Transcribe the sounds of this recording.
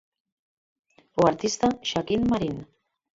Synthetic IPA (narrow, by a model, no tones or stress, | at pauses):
oaɾt̪ist̪aʃakinmaɾin